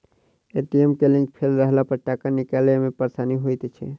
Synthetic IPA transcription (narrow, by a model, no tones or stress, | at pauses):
eʈiemkelĩŋk̚pʰelɾəɦlapəɾʈakəɾnikalemepəɾsaniɦojt̪t͡ʃʰɛ̰